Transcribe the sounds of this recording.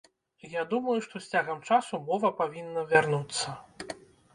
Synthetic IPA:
jad̪umɐjuʂt̪ɔsʲt͡sʲaɣɐmt͡ʂasumɔvɐpavʲinːɐvʲarnut̪sːɐ

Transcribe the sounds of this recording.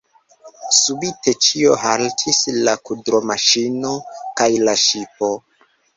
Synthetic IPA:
subitʰe̞t͡ʃio̞ɦaltʰislakudɾo̞maʃino̞kajlaʃipo̞

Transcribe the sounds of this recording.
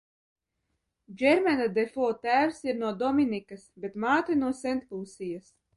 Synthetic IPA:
d͡ʑɛɾmʲɛnad̪efɔːt̪æːwsiɾnuɔd̪ɔmʲinikasbʲet̪maːt̪ɨjnuɔsɛnt̪pulˠsijas

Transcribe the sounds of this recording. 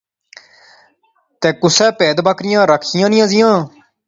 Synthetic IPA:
t̪eːkʊsɛːpɛːd̪baːkɾɪjãːɾəkʰɪjãːnɪjãːzɪjãː

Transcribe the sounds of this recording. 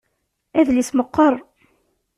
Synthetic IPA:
æðlisməqːəɾˤ

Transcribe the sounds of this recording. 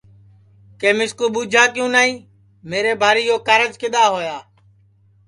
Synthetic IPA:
keːmɪskuːɓuːd͡ʒʱaːkɪjũːnaːĩː | meːɾeːbʱaːɾiːjoːkəɾəd͡ʒkɪɗ̪aːɦoːjaː

